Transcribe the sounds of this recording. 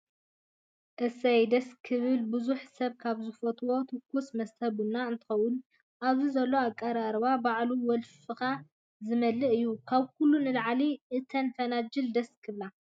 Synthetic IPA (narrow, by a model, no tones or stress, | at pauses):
ʔɨsɐjd̪ɐskʰɨβɨlbɨzuħsɐβkʰaβzɨfot̪ʰʼwo̞t̪ʰɨkːusmɐst̪ʰɐβunːaɨnt̪ʰɨ̥xɐwun | ʔaβzizɐlːoakʼːɐɾaɾβabaʕluwɔlfɨxa | zɨmɐlːɨʔɨjːukʰaβkʰulːunɨlʕaliʔɨt̪ʰɐnfɐnad͡ʒɨld̪ɐskʰɨβla